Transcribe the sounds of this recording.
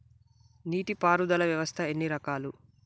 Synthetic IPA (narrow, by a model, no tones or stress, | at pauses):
niːʈipaːɾud̪ɐlɐʋjɐʋɐst̪ʰɐe̞nːiɾɐkaːlu